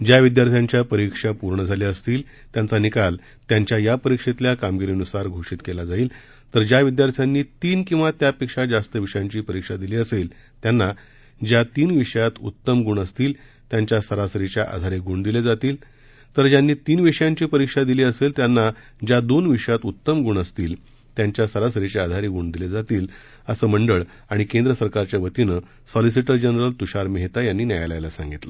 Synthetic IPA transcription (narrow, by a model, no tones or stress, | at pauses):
d͡ʑjaʋid̪jaɾt̪ʰjãɲt͡ɕjapəɾikʂapuɾɳəd͡zʱaliəst̪iːl | t̪jãnt͡sanikal | t̪jaɲt͡ɕjajapəɾikʂet̪ljakamɡiɾinusaɾɡʱoʂiːt̪kelad͡zaiːl | t̪əɾd͡ʑjaʋid̪jaɾt̪ʰjanːiːt̪iːnkĩw̃ʋat̪japikʂad͡zast̪əʋiʂəjãɲt͡ɕiːpəɾikʂad̪iliːəsel | t̪janːa | d͡ʑjat̪iːnʋiʂəjat̪ut̪ːəmɡuɳəst̪iːl | t̪jaɲt͡ɕjasəɾasəɾit͡ɕjaʔa̰d̪ʱaɾeɡuɳd̪iled͡zat̪iːl | t̪əɾd͡ʑjanːiːt̪iːnʋiʂəjãɲt͡ɕiːpəɾikʂad̪iliːəselt̪janːa | d͡ʑjad̪onʋiʂəjat̪ut̪ːəmɡuɳəst̪iːl | t̪jaɲt͡ɕjasəɾasəɾit͡ɕead̪ʱaɾiɡuɳd̪iled͡zat̪iːl | əsəːməɳɖəɭ | aɽ̃ikend̪ɾəsəɾkaɾt͡ɕjaʋət̪inə | sɔlis̬iʈəɾd͡ʑənɾəlt̪uɕaɾmeɦt̪ajanːiːnjajala̰jlasãŋɡit̪lə